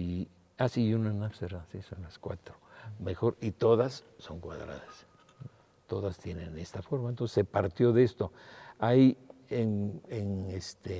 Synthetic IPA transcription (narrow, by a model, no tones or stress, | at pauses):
i | asijunanapseɾasisonlaskwa̰t̪ɾo̥mexo̞ɾit̪o̞ðasːo̞ŋkwa̰ðɾa̰ðas | t̪o̞ðast̪je̞nenest̪afoɾmaent̪onsesepaɾt̪jo̞ðeest̪oajienenest̪ʰe